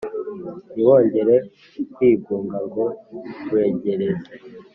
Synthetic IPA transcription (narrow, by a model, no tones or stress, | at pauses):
iwo̞ːɲɟe̞ɾe̞ | kwiːɡuːŋɡaŋɡo̞kwe̞ːɟe̞ɾeza